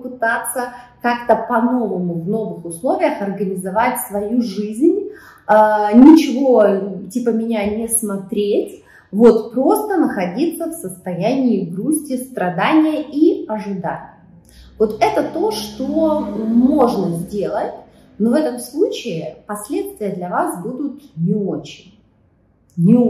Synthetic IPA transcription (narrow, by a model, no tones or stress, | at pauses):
pɨt̪at̪sːəkakt̪əpɐno̞vəmʊvno̞vɨxʊslˠo̞vʲɪjəxɐrɡənʲɪzɐvatʲsvɐjuʐɨzʲnʲ | nʲɪt͡ɕɪvo̞tʲipəmʲɪnʲanʲɪsmɐt̪ɾʲetʲ | vo̞t̪pɾo̞st̪ənəxɐdʲit̪sːəfsəst̪ɐjænʲɪːɡɾusʲtʲɪst̪ɾɐd̪anʲɪjəiɐʐɨd̪a̰nʲɪj | vo̞t̪ɛt̪ət̪o̞ʂt̪omo̞ʐnəzʲdʲe̞lˠətʲ | novɛt̪əmslˠut͡ɕɪɪpɐsʲlʲe̞t̪st̪vʲɪjəd̪lʲɐvasbud̪ʊt̪nʲɪot͡ɕɪnʲ | nʲɪ